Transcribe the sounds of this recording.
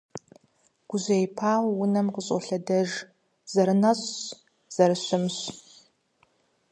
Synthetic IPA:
ɡ̥ʷʊʑejpʰaːwwʊnɐmqəɕʼɔ̰ɬɐdɐʒ | z̥ɐɾɨnɐɕʼ | z̥ɐɾɨɕʊmɕ

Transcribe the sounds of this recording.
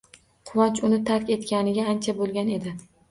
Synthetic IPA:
qʰʊwɒnt͡ʃʊnɪt̪ʰaɾkʲe̞t̪kʲanɪɡʲaːnt͡ʃʰabolˠɡʲane̞d̪ɪ

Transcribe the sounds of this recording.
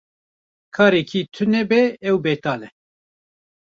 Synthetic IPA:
kʰɑːɾekʰiːt̪ʰɨnɛbɛɛwbɛːt̪ɑːlɛ

